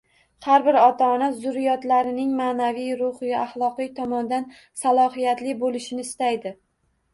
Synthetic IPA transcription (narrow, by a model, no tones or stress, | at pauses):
haɾbɪɾɒt̪ʰaːnazʊɾɪjɒt̪laɾɪnɪŋmaːnavijɾʊhɪja̰χlˠɒqɨjt̪ʰɒmɒnd̪an | salˠɒhijat̪lɪbolɪʃɪnɪːst̪ajd̪ɪ